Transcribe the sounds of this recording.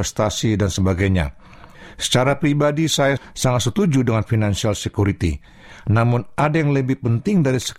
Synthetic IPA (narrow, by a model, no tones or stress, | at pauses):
ɛst̪asidansəbaɡajɲa̰ | sə̥t͡ʃaɾapɾibadisajasaŋat̪sət̪ud͡ʒudəŋanfinansialsəkuɾit̪ḭ | namʊnadajaŋləbɪhpənt̪ɪŋdaɾisə̥